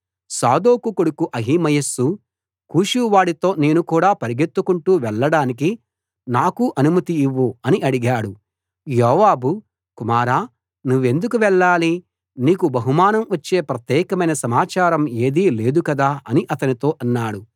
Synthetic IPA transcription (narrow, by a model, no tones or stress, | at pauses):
saːd̪oːkukoɽukuʔɐɦimɐjɐsu | kuːʃuʋaːɽit̪o̞ːne̞ːnukuːɽaːpɐɾiɡe̞t̪ːukuɳʈuːʋɛɭːɐɽaːnik̬i | naːkuʔɐnumɐt̪iiʋːuɐniʔɐɽiɡaːɽu | jɔːʋaːbu | kumaːɾaː | nuʋːe̞nd̪ukuʋɛɭːaːli | niːkubɐɦumaːnɐmʋɐt͡ʃːe̞ːpɾɐt̪jɛːkɐmɐjnɐsɐmaːt͡ʃaːɾɐme̞ːd̪iːle̞ːd̪ukɐd̪aːɐniʔɐt̪ɐnit̪o̞ːʔɐnːaːɽu